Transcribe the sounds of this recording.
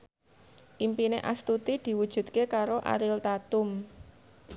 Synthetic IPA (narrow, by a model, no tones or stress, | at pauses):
ʔimpineʔa̰st̪ut̪id̪̥i̤wud̥ʒ̥ṳt̪̚kekaɾoʔa̰ɾɪlt̪at̪ʊm